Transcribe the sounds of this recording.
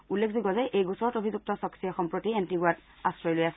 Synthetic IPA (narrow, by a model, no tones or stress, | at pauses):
ulːekʰziɡɔzɛʔejɡusɔɹɔtobʱizuk̚tɔsɔksijɔxɔmpɹotiɛntiɡuat | astɹɔjlojasɛ